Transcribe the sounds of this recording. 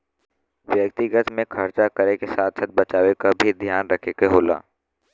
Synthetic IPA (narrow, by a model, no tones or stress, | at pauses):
ʋjəkt̪ɪɡət̪mẽkʰɐɾt͡ʃakəɾekesaːt̪ʰsət̪̚bət͡ʃaːʋekabʱid̪ʱjaːnɾəkʰekeɦoːla̰ː